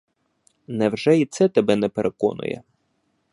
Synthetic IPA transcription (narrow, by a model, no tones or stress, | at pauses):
nɛwʒɛit̪sɛt̪ɐbɛnɛpeɾʔekɔ̰nʊ̰jɛ̰